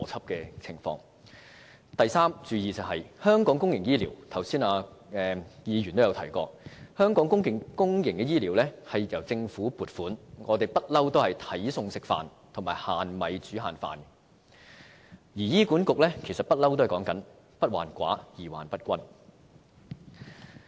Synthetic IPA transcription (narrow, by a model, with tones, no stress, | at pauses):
ɔː˨˩t͡sʰɐ˥p̚kɛː˧t͡sʰɪ˨˩ŋfɔ̰ː˧ŋ | t̪ɐ˨jsaː˥mt͡ʃyː˨˧jiː˨t͡sɐ˨˩ɦɐ˨jhœː˥ŋkɔː˨˥ŋkʊ˥ŋjɪ˨˩ŋjiː˥liː˨˩wt̪ʰɐ˨˩wsiː˥naː˧ɛː˨jiː˨˧jɥyː˨˩nt̪o˥jɐ˨˧wt̪ʰɐ˨˩jkɔ̰ː˧hœː˥ŋkɔː˨˥ŋkʊ˥ŋkɪ˨˧ŋkʊ˥ŋjɪ˨˩ŋkɛː˧jiː˥liː˨˥wlɛː˥hɐ˨jjɐ˨˩wt͡sɪ˧ŋfuː˨˥puː˨˩t̚fuː˨˥nŋɔː˨˧t̪̬e˨jpɐ˥t̚lɐ˥wt̪o˥whɐ˨jt̪ʰɐ˨˥jsʊ˧ŋsɪ˨k̚fa̰ː˨n | t̪ʰʊ˨˩maː˨˩jhaː˨nmɐ˨˧jt͡ʃyː˨˥ɦaː˨nfa̰ː˨n | jiː˨˩jiː˥kuː˨˥nkʊ˨k̚lɛ˥kʰsɐ˨t̚pɐ˥t̚lɐ˥wt̪o˥hɐ˨jkɔː˨˥ŋkɐ˨˥n | pɐ˥t̚wa̰ː˨˩nkʷa̰ː˨˥jiː˨˩wa̰ː˨˩npɐ˥t̚kʷɐ˥n